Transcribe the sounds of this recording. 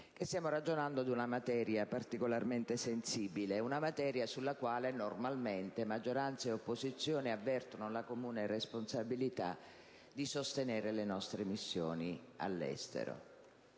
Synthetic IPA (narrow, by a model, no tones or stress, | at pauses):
k̟est̪jaːmorad͡ʒonand̪od̪unamat̪ɛːɾjapart̪ikolarment̪esensiːbileunamat̪ɛːɾjasulːakwaːlenormalment̪emad͡ʒːoɾant̪saeopːozit̪sːjoːniavːɛrt̪onolakomuːneresponsabilit̪a̰ | d̪isost̪enɛːɾelenɔst̪ɾemisːjo̰ːni | a̰lːɛ̰st̪ḛɾo̰